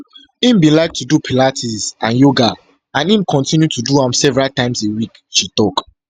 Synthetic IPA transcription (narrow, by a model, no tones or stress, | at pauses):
ĩmbĩnlaɪk̚tʰudupʰilatʰisãnjoɡa | ãnĩmkʰɔ̃ntĩnjutʰuduãmsɛvɛɹaltãɪ̃msewik | ʃitɔk